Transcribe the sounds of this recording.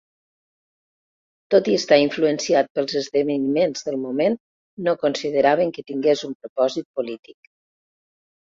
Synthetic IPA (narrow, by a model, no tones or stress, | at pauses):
t̪ot̪iəst̪aiɱfluənsiat̪̚pəlˠzəzðəβənimenzðəlˠmumen | nokonsiðəɾaβəŋkət̪iŋɡezumpɾupɔzit̪̚pulit̪ik